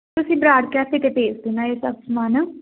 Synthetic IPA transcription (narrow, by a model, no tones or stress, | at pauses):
t̪ʊsĩːbɾaːɽkɛːpʰɪk̪epeːsd̪ɪnaːeːsəbsmaːnə